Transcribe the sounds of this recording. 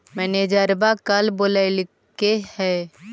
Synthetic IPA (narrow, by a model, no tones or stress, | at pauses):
mɛːneːd͡ʒəɾbakəlboːlal | kehɛː